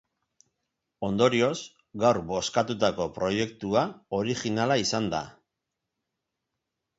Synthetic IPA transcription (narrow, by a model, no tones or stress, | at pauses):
o̞nd̪o̞ɾio̞s | ɡawɾbo̞skat̪ut̪ako̞pɾo̞je̞kt̪uao̞ɾixinalaisand̪a̰